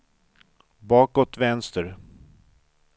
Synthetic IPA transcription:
bɑːkɔt̪vɛnst̪əɾ

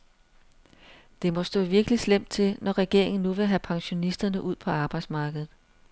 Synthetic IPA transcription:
d̥e̝mɒ̽sd̥ɔ̰̽ːʋiɐɡ̥əlislem̰d̥̚t͡sʰe̝lnɒʁɛɡ̥e̝ɐ̰e̝ŋn̩ːuʋe̝ɦæpʰɑ̈ŋɕo̝nisd̥ɐnəʔuð̞̰ˠpʰɒ̽ɑ̈ːb̥ɑ̈ɪd̥smɑ̈ːɡ̥əð̩ˠ

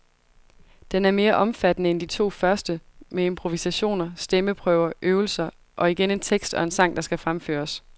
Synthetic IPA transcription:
d̥enæɐme̝ːɐʔɒ̽mfæd̥nəend̥it͡sʰo̝̰ːfɶɐsd̥əmeempʰʁo̝ʋisæɕo̝̰ːnɐsd̥eməpʰʁœːʊɐʔøːʊl̩sɐ | ʔɒ̽iɡ̥ene̝nt͡sʰeɡ̥sd̥ɒ̽e̝nsɑ̈ŋ̰d̥ɑ̈sɡ̥æfʁamfø̰ːɐs

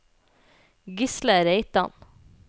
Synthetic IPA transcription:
ɡɪsləɾeɪt̪ɑ̰n

